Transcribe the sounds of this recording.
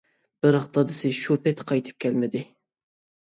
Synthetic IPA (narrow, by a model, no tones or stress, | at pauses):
b̥ɪɾəχt̪ɑd̪ɨsɪʃupɛt̪qʰɑjt̪ʰɨ̥p̚kʲʰɛlmɪd̪ɪ